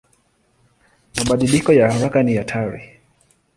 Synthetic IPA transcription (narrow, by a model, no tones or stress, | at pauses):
maɓaɗilikɔjaaɾakanijatʰaɾi